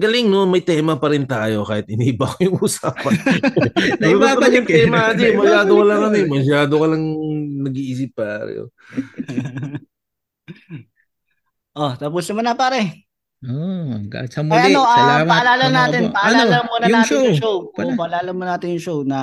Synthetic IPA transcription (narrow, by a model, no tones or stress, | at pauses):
ɡɐlɪŋnomɐjt̪ɛːmɐpɐɾɪnt̪aːjo̞kaːhɪt̪ʔɪniːhɪbɐkojʊŋusaːpɐn | baɐʊŋt̪ɛmɐɐd̪imɐlaːɡ̪owɐlɐŋɐnimɐʃ̬aːd̪okɐlɐŋnɐɡiʔis̬ɪpːaːɾɐ̰jo̰ | ʔot̪ɐp̬ʊsnɐmɐnɐpaːɾɛ | oɡa̰t͡ʃɐmɐjaʔɐnoʔɐlamɐɐɐlaːlɐnaːɪnpɐʔɐlaːɐmuːnɐːtɪonjʊŋʃowpɐʔɐlaːlɐnmonaːt̪ɪnjʊŋʃownɐ